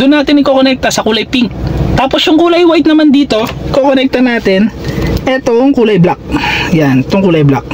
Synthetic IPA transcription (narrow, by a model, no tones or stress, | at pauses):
d̪ʊnːaːt̪ɪnɪkokonɛk̚t̪ɐsɐkuːlɐjpiŋkt̪aːpo̞sjʊŋkuːlɐjwajt̪̚nɐmand̪iːt̪o̞kokonɛk̚t̪ɐnaːt̪ɪnʔɛt̪oŋkuːlɐjblak̚janɛt̪oŋkuːlɐjbla̰k̚